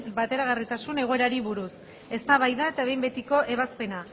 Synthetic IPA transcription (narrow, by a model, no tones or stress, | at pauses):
bat̪e̞ɾaɣ̞arit̪asune̞ɣo̞e̞ɾaɾiβuɾus | e̞st̪aβajðae̞t̪aβe̞jmbe̞t̪iko̞ʔe̞β̞aspe̞na